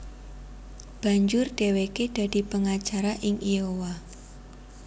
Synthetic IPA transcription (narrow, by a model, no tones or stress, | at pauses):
b̥a̤ɲd͡ʒʊrɖ̥eweked̥a̤d̥i̤pəŋat͡ʃaɾaʔɪŋiowa